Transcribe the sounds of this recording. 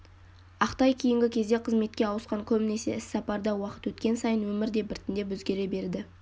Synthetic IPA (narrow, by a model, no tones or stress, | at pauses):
ɑqt̪ɑjkʲʰijɪŋɡʲɪkʲʰe̞zd̪e̞qʰəzme̞t̪̚kʲe̞ɑwəsqɑŋkʲʰɵmɪne̞se̞̰ɪsːɑpɑɾd̪ɑwɑqə̥t̪wɵt̪kʲe̞nsɑjənwɵmɪɾd̪e̞bɪɾt̪ɪnd̪e̞bwɵzɡʲe̞ɾe̞be̞ɾd̪ɪ